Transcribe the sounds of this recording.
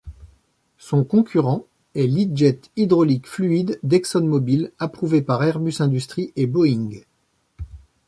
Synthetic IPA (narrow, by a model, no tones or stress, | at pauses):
sɔ̃kɔ̃kʲʰyʁɑ̃ | ɛlid̪ʒɛt̪id̪ʁɔlikflyid̪ːɛksɔnmɔbilapχuvepaʁɛʁbysɛ̃d̪yst̪χiʔebɔiŋɡ